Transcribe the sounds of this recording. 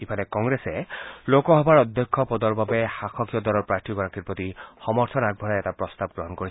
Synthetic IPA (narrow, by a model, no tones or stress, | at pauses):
ipʰalɛkɔŋɡɹesɛlokɔɦɔbaɹɔd̪ʱjɔkʰːɔpɔd̪ɔɹbabɛxaxʰɔkijɔd̪ɔlɔɹpɹaɹt̪ʰiɡɔɹakʰiɹpɹɔt̪ixɔmɔɹt̪ʰɔnaɡ̚bʱɔnaɛtapɹɔst̪ab̚ɡɹɔɦɔnkoɹi